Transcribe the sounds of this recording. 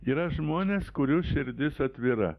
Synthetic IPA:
iːɾɐʒmoːnʲeːskʊɾʲuːʃʲɪɾʲd̪ʲɪsɐt̪ʲʋʲiɾɐ̰

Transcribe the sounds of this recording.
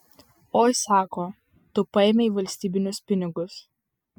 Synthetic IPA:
oːjsɑːkoː | t̪ʊpɐɛmʲɛiːʋɐlʲsʲt̪ʲiːbʲɪnʲʊspʲɪnʲɪɡʊs

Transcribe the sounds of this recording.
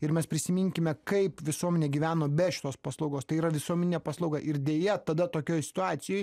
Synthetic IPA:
ɪɾmʲɛspʲɾʲɪsʲɪmʲɪŋʲkʲɪmʲɛkɐɪpʋʲɪsuɔmʲɛnʲeːɡʲiːʋʲæːnoːbʲɛʃʲɪ̥t̪oːspɑslˠɐʊɡoːst̪ɐɪiːɾɐʋʲɪsuɔmʲɛnʲɪnʲɛːpɑːslˠɐʊɡɐʔɪɾd̪ʲeːjɛt̪ɐd̪ɐt̪oːkʲoːjsʲɪ̥t̪ʊɑːt̪sʲɪjɛj

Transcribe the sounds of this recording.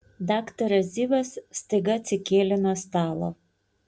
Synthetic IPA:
d̪ɑːkt̪ɐɾɐzʲiːʋʲɐsst̪ɐɪɡɐɐt̪sʲɪkʲeːlʲɪnɐst̪ɑːlˠo̰ː

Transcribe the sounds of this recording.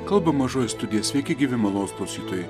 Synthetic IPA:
kɐlˠbɐmɐʒoːjɛst̪ʊd̪ʲɪjɛsʲʋʲɛɪkʲɪɡʲiʋʲɪmɐlˠoːsbˠɐʊsʲiːt̪oːjɛ

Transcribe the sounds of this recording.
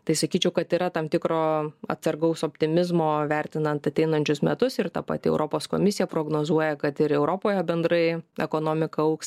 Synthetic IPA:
t̪ɐɪsɐkʲiːt͡ʃʲɛʊkɐt̪iːɾɐt̪ɐmt̪ʲɪkɾoːɐ̰t̪sɐɾɡɐʊsoːpʲt̪ʲɪmʲɪzmoːʋʲæɾʲt̪ʲɪnɐnt̪ɐt̪ʲɛɪnɐnʲt͡ʃʲʊsmʲɛt̪ʊsɪɾt̪ɐpɐ̰t̪ʲɪɛ̰ʊɾoːpoːsko̰mʲɪsʲɪjɛpɾoːɡnoːzuɔjɛkɐt̪ɪɾɛʊɾoːpoːjɛbʲɛnd̪ɾɐɪɛ̰koːnoːmʲɪkɐɐʊks

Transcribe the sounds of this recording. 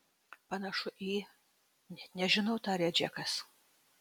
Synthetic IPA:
pɐnɐʃʊʔiː | ɛnʲɛʒʲɪnɐʊt̪ɑːɾʲɛd͡ʒʲɛkɐs

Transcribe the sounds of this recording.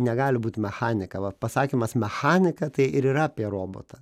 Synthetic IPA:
nʲɛɡɑːlʲɪbuːt̪ʲmʲɛxɑːnʲɪkɐʋɐpɐsɑːkʲiːmɐsmʲɛxɑːnʲɪkɐt̪ɐɪʔɪɾiːɾɐɐpʲiɛroːbo̰ːt̪ɐ

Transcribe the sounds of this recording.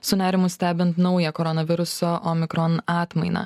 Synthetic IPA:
sʊnʲæːɾʲɪmʊsʲt̪ʲæːbʲɪnt̪nɐʊjɛkɔɾɔnɐʋʲɪɾʊsoːʔomʲɪkɾɔnɑːt̪mɐɪnɐ̰ː

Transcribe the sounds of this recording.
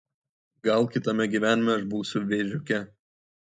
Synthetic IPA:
ɡɐlˠkʲɪt̪ɐmʲɛɡʲiːʋʲæːnʲɪmʲɛɐʒbuːsʲʊʋʲeːʒʲʊkʲɛ

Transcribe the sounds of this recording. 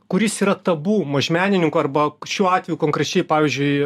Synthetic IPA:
kʊɾʲɪsiːɾɐt̪ɐbuːmɐʒʲmʲæːnʲɪnʲɪŋkʊɐrbɐʃʲuːɑːt̪ʲʋʲɛjuːkoːŋkɾʲɛt͡ʃʲɛɪpɑːʋʲiːzʲd͡ʒʲʊɪ

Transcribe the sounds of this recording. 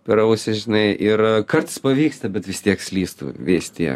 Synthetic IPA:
pʲɛɾʊsʲɪʒʲɪnɐɪʔɪrkɐrt̪ɨspɐʋʲiːkst̪ɐbʲɛt̪ʋʲɪst̪ʲiɛksʲlʲiːst̪ṵːʋʲɪst̪ʲiɛk

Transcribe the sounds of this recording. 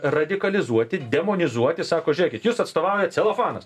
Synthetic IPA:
rɐd̪ʲɪkɐlʲɪzuɔt̪ʲɪd̪ʲɛmoːnʲɪzuɔt̪ʲɪsɑːkoːʒʲʊɾʲiɛkʲɪt̪juːsɐt̪st̪oːʋɑʊjɛt̪sʲɛlˠoːfɑːnɐ̰s

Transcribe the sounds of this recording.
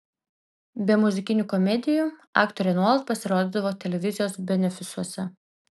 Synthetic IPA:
bʲɛmʊzʲɪkʲɪnʲukɔmʲɛd̪ʲɪjuɑ̰ːkt̪ɔɾʲɛnut̪̚pɐsʲɪɾoːd̪ʲɪːd̪ɐʋoːt̪ʲɛlʲɛʋʲɪzʲɪjoːsbʲɛnʲɛfʲɪsuɔsʲɛ

